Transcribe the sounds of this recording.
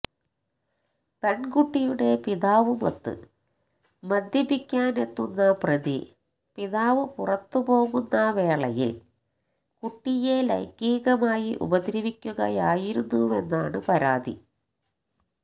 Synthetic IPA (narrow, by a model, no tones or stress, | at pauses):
peɳɡuʈːijuɽe̞piðaːʋɨmɐt̪ːɨ̰ | mɐd̪jɐpikʲːaːne̞t̪ːunːɐprɐðḭ | piðaːʋɨpurɐt̪ːɨpo̞ːɣunːɐʋe̞ːɭɐjḭl | kuʈːijelɐ̰jkːiːɣɐmaːjiʔṵbɐd̪ɾɐʋikʲːuɣɐjaːjiɾunːuenːaːɳɨpɐɾaːd̪ḭ